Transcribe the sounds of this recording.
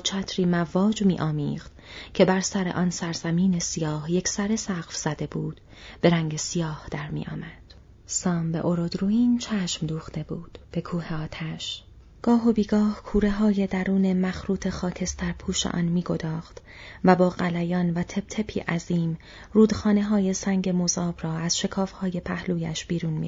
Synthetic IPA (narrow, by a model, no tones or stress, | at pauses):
t͡ʃʰæːt̪ʰɾiːmævɒːd͡ʒmiːʔɒːmiːʁd̪̥cʰe̞bæɾsæɾe̞̰ʔɒːnsæɾzæmiːne̞sijɒːhjecʰsæɾe̞sæqfz̥æd̪e̞buːd̪̥ | b̥e̞ɾæŋɟe̞sijɒːhd̪̥æɾmḭːʔɒ̰ːmæd̪̥ | sɒːmbe̞̰ʔoɾod̪ɾuːiːnt͡ʃʰæːʃmd̪uːχt̪e̞buːd̪̥b̥e̞kʰuːheɒːt̪ʰæʃ | ɡ̥ɒːɦo̞biːɡɒːhkʰuːɾe̞ɦɒːje̞d̪æɾuːne̞mæxɾuːt̪ʰe̞xɒːcʰe̞st̪æɾpʰuːʃḛʔɒ̰ːnmiːɡo̞d̪ɒːχt̪ | væbɒːɣælæjɒːnvæt̪ʰe̞b̥̚t̪ʰe̞pʰḭːʔæziːm | ruːd̪xɒːne̞ɦɒːje̞sæŋɟe̞mozɒːb̥ɾɒːæz̥ʃe̞kʰɒːfhɒːje̞pʰæhluːjæ̰ʃb̥iːɾuːnmḭ